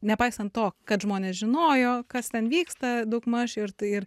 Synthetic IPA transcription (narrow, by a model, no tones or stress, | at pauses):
nʲɛpɐɪsɐnt̪toːkkɐt̪ʒmoːnʲeːsʒʲɪnoːjoːkɐst̪ʲɛnʋʲiːkst̪ɐd̪ɐʊkmɐʃɪrt̪ɪr